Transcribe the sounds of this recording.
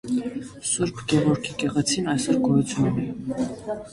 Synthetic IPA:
suɾpʰɡɛvɔɾkʰikɛʁɛt͡sʰinɑjsɔɾɡɔjut͡sʰjunɛ

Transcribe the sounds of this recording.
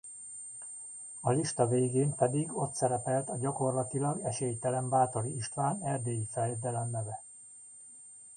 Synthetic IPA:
ɒliʃt̪ɒveːɡeːmpɛd̪iɡo̞t̪sɛɾɛpɛlt̪ɒɟɒko̞rlɒt̪ilɒɡɛʃeːjt̪ɛlɛmbaːt̪o̞ɾiiʃt̪ʋaːnɛrd̪eːjifɛljɛd̪ɛlɛnːɛvɛ

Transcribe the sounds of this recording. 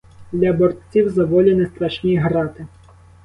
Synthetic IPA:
d̪lʲɐbɔrt̪ʲt͡sʲiwzɐʋɔlʲɐnɛst̪ɾɐʃnʲiɦɾɑt̪ɪ

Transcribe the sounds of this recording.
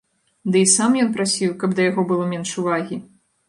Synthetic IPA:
d̪ɨisamjɔnpɾasʲiwkɐbd̪ɐjaɣɔbɨlˠɔmʲɛnʂuvaɣʲi

